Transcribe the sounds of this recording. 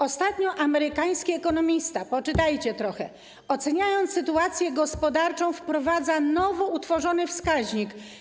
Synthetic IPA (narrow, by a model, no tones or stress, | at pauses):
ɔst̪at̪ɲɔʔamɛɾɘkaj̃skʲiɛkɔnɔmʲist̪apɔt͡ʂɘt̪ajt͡ɕɛt̪ɾɔxɛ | ɔt̪sɛɲajɔnt̪sɘt̪uat̪sʲjɛɡɔspɔd̪aɾt͡ʂɔ̃w̃fpɾɔvad̪zanɔvɔut̪fɔʐɔnɘfskaʑɲik